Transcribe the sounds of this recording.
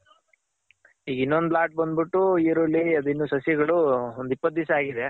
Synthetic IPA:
ɦiːɡinːond̪laːʈ̚bɐnd̪biʈːuiːɾulːiɐd̪uinːuːsɐsjɐɡɐɭuond̪ipːɐt̪̚ːisɐaːɡid̪e̞

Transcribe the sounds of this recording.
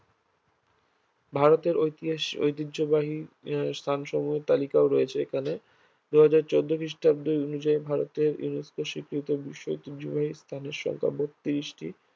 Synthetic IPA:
bʱaɾot̪eɾoo̰jt̪idd͡ʑobaɦist̪ʰanʃɔmuɦeɾt̪alikaoɾɔet͡ɕʰeekʰane | d̪uɦad͡ʑaɾt͡ɕod̪ːokɾiʃʈab̚d̪ojonud͡ʑaibʱaɾot̪eɾjṵneskoʃikɾit̪obiʃːoojt̪idd͡ʑobaɦist̪ʰaneɾʃɔ̰ŋkʰa̰bok̚t̪iɾiʃʈi

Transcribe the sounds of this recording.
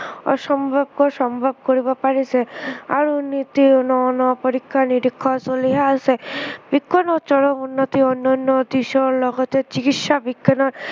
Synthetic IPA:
ɔ̰ʃɔmbʱabkɔsɔmbʱab̚koɾibɔpaɾisea̰ɾunit̪inɔnɔpɔɾikʰːaniɾikʰːɔsoliɦaasebiɡːɔnɔt͡ʃɔɾɔunːɔt̪iɔnːɔnːɔd̪iʃɔɾlɔɡɔt̪et͡ʃikit̪ʃabiɡɔnɔɾ

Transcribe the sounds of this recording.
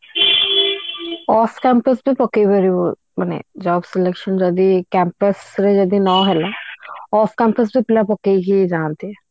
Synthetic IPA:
ɔːfkɛ̃ːmpəsbʱiːpəkːebəɾioː | mənḛːd͡ʒaːbselekʃənd͡ʒəd̪iːkɛ̃ːmpəsɾɛːd͡ʒəd̪iːnɔ̃ːɦɛlaːɔːfkɛ̃ːmpəs̬biːpɪlaːpəkːeikid͡ʒaːnt̪iɛ

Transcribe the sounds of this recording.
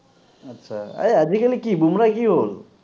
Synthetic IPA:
ətːɕʰaa̰jəd͡ʑikəlikibumɾakiɦol

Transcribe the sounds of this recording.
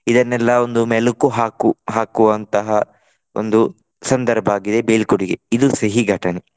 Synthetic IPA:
id̪ɐnːɛlːɐo̞nd̪umɛlukuɦaːkuɦaːkuʋɐnt̪ɐɦɐ | o̰nd̪u | sɐnd̪ɐɾbʱaːɡid̪e̞beːlkuɽiɡeid̪usɐɦiɡʱɐʈɐne

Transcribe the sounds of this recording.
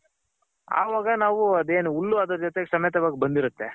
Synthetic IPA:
a̰ːʋaːɡɐnaːʋuɐd̪eːnuulːuad̪ɔɾɐd͡ʒɔt̪eɡesɐmɐjɐt̪ɐʋaːɡibɐnd̪iɾut̪ːe̞

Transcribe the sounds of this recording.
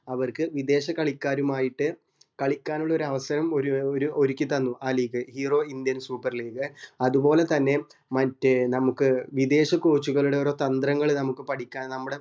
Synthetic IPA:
ɐʋɐrkɨʋid̪e̞ːɕɐkɐɭikʲːaːɾumaːjiʈːɨ | kɐɭikʲːaːnuɭːo̞ɾuɐʋɐsɐɾɐmo̞ɾuoɾuʔo̞ɾikʲːit̪ɐnːuʔaːliːɡɨhiːro̞ːind̪jɐnsuːpːɐrliːɡɨɐðubo̞ːle̞t̪ɐnːe̞ | mɐtːenɐmukːɨʋid̪e̞ːɕɐkoːt͡ɕːuɣɐɭuɽe̞oɾot̪ɐnd̪rɐŋːɐɭnɐmukːɨpɐʈikʲːaːnnɐmːuɽe̞

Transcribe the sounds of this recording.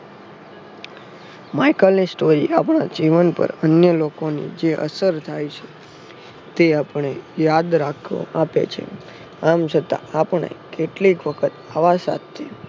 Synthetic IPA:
majkəlnisʈoɾiapɳad͡ʒiʋənpə̰ɾənjəlokonḭd͡ʒeʔə̰səɾt̪ʰajt͡ʃʰe̥ | t̪eapəɳejad̪ɾakʰo̰ʔapḛt͡ʃʰḛ | amt͡ʃʰət̪a̰apəɳḛkeʈlikʋəkʰət̪aʋasa̰t̪ʰːe

